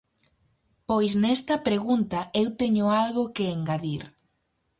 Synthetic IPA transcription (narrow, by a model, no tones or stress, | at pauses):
pojsnɛst̪ɐpɾeɣunt̪ɐewt̪eɲʊalɣʊkeeŋɡaðiɾ